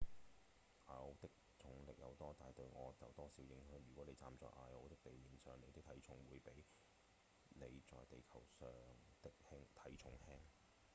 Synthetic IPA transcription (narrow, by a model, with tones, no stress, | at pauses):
ʔaː˧jo˨˧wt̪ɪ˥k̚ | t͡sʰʊ˨˥ŋlɪ˨k̚jɐ˨˧wt̪ɔː˥t̪aː˨jt̪ɵ˧ɥŋɔː˨˧t͡sɐ˨wt̪ɔː˥siː˨˥wjɪ˨˧˥ŋɦœː˨˥ŋjyː˨˩kʷɔː˨˥ne˨˧jt͡sa̰ː˨˧mt͡sɔ̰ː˧˩jʔa̰ː˧o˨˧wt̪ɪ˥k̚t̪e˨jmiː˨nsœː˨˩ŋne˨˧jt̪ɪ˥k̚t̪ʰɐ˨˥jt͡ʃʰʊ˨˥ŋwuː˨˧jpe˨˥j | ne˨˧jt͡sɔː˨jt̪e˨jkʰɐ˨˩wsœː˨ŋt̪ɪ˥k̚hɪ˥ŋt̪ʰɐ˨˥jt͡ʃʰʊ˨˥ŋhɛː˥ŋ